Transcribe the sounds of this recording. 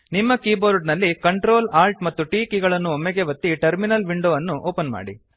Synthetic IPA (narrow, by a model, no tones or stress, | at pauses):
nimːɐkiːboːɾɖnɐlːikɐɳʈɾoːlaːlʈ̚mɐt̪ːuʈiːkiɡɐɭɐnːuomːɛɡeʋɐt̪ːiʈɐɾminɐlʋiɳɖoːʋɐnːuʔoːpɐnma̰ːɽḭ